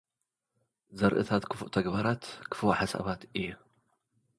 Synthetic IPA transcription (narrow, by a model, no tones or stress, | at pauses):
zɐɾʔɨ̰t̪ʰat̪kʰɨfuʔt̪ʰɐɡbaɾat̪kʰɨ̥fwaħasa̰βat̪ʔɨjːu